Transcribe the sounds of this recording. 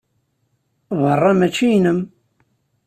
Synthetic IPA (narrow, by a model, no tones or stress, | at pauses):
ðərˤːɑmæt͡ʃːijnəm